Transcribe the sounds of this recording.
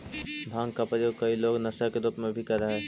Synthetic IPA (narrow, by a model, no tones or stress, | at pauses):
b̪ʱãːŋɡkapɾəjoːɡ̚kɐiloːɡnɐsakeɾuːpmẽbʱikɐɾːəɦeː